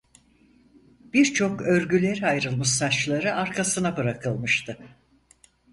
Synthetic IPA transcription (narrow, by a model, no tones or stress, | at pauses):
b̥iɾt͡ʃʰo̞kø̞ɾɟylʲe̞ɾiajɾɯlˠmɯʃsat͡ʃlˠaɾɯʔaɾkʰasɯnabɯɾakʰɯlˠmɯʃt̪ʰɯ